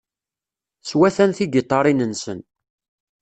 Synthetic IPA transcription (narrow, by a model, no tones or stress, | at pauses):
swæθænθiɡet̪ˤːɑɾˤinənsə̰n